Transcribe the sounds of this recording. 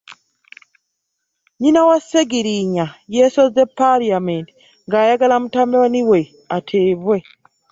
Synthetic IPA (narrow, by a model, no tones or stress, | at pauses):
ɲinawaseɡiɾiɲajesozepaliamenti | ŋɡaːjaɡalamutambewaniwe | atʰeːβwe